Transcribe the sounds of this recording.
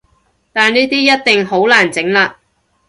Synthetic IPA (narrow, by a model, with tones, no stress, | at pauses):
t̪aː˨˩nniː˥t̪iː˥jɐ˥t̚t̪ɪ˨ŋɦo˨˥wlaː˨˩nt͡sɪ˨˥ŋlaː˧